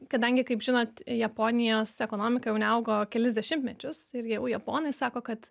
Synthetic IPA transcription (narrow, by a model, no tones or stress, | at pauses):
kɐd̪ɐŋʲɡʲɪkɐɪpʒʲɪnoːt̪jɛpoːnʲɪjoːsɛkoːnoːmʲɪkɐjɛʊnʲɛɐʊɡoːkʲɛlʲɪzʲd̪ʲɛʃʲɪmt̪ʲmʲɛt͡ʃʲʊsɪɾjɛjɛʊjɛpoːnɐɪsɑːkoːkɐt̪